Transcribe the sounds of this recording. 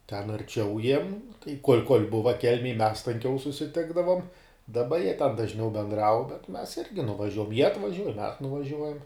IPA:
tʲɛn ɐrʲˈt͡ʃʲɛʊ jiɛm tɐɪ koːlʲ koːlʲ ˈbʊʋɐ ˈkʲɛlʲmʲeːj mʲɛs tɐŋʲˈkʲɛʊ sʊsʲɪˈtʲɪɡdɐʋoːm dɐˈbɐ jiɛ tʲɛn dɐʒʲˈnʲɛʊ bʲɛnˈdrɐʊ bʲɛt mʲɛs ˈɪrʲɡʲɪ nʊʋɐˈʒʲuɔjɛm jiɛ ɐtʋɐˈʒʲuɔj mʲɛs nʊʋɐˈʒʲuɔjɛm

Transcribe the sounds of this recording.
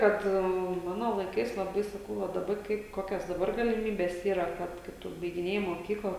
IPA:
ˈkɐt ˈmɑːnoː lˠɐɪˈkɐɪs lˠɐˈbɐɪ sɐˈkɐʊ ʋɐ dɐˈbɐ ˈkɐɪp ˈkoːkʲɛs dɐˈbɐr ɡɐlʲɪˈmʲiːbʲɛs ˈiːrɐ ˈkɐt kɐt ˈtʊ bɐɪɡʲɪˈnʲeːjɪ moːˈkʲiːklˠɐ

